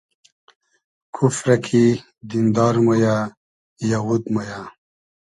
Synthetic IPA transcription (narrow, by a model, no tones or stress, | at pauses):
kʰufɾakʰi | d̪ind̪ɑːɾmoja | jawud̪moja